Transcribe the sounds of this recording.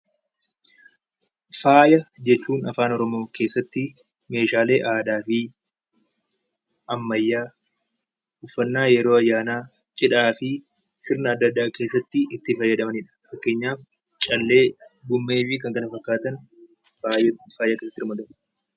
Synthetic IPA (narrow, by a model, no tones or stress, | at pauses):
faːjɐd͡ʒɛt͡ʃːuːnɐfaːnɔɾɔmo̞ːke̞ːsːɐt̪ːɪ | me̞ːʃaːle̞ːʔaːd̪aːfɪ | ɐmːɐjːaː | hʊfːɐnːaːjɛɾo̞ːɐjːaːnaː | t͡ʃʼɪᶑaːfɪ | sɪɾnɐːd̪ːɐd̪ːaːke̞ːsːɐt̪ːɪɪt̪ːɪfɐjːɐd̪ɐmɐnɪᶑɐ̥fɐkːe̞ːɲːaːf | t͡ʃʼɐlːe̞ːɡʊmːe̞ːfɪkɐŋkɐnɐfɐkːaːt̪ɐn | ajfaːjaːkesːɐt̪ːɪɾmɐd̪ɐm